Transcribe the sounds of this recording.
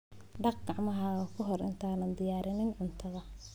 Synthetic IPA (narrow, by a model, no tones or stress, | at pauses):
ɖɑq̚ɡɑʕmɐɦɐːɣɐkʰʊɦɔrɪ̰nt̪ʰaːnɐnd̪ɪjaːɾɪnɪnʕʊnt̪ʰɐðɐ